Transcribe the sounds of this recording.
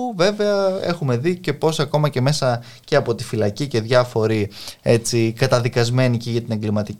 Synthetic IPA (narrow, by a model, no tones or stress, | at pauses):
ve̞ve̞ɐe̞̰xume̞ðice̞po̞sɐko̞mɐce̞me̞sɐ | ce̞ɐpo̞t̪i̥filɐcice̞ðʝɐfo̞ɾie̞t͡sikɐt̪ɐðikɐzme̞niceʝɐt̪ine̞ŋɡlimɐt̪i